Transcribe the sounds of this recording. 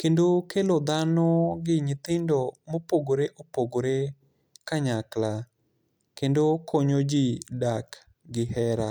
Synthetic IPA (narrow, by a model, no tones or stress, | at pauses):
kendokelod̪anɔɡɪɲɪt̪ɪndɔmopoɡoɾeʔopoɡoɾe | kaɲakla | kendokʰoɲod͡ʒidak | ɡɪhɛɾa